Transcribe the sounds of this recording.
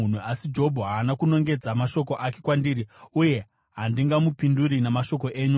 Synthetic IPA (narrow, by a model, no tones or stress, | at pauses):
un̤uasid͡ʒo̞bʱoɦaːnakuno̞ŋɡe̞d͡zamaʃo̞ko̞ʔake̞kwandiːriuje̞ | ɦandiŋɡamupinduɾinemaʃo̞ko̞ʔeːɲu